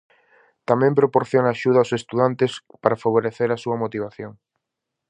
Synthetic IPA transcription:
t̪amɛ̃mpɾopoɾθjonaʃuð̞ɐosest̪uðant̪es | paɾafaβ̞oɾeθeɾɐsuɐmot̪iβ̞aθjoŋ

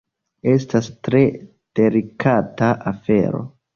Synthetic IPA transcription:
e̞stastɾe̞ | d̥e̞likʰataʔafe̞̰ɾo̞̰

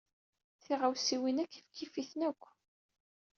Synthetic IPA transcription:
θiʁawsiwinækːifkːifiθnækʷː

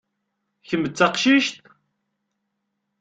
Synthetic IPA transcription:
çəmət͡sːɑqʃiʃt̪

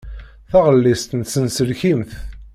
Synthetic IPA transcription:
θæʁəlːist̪nsənsəlçimθ

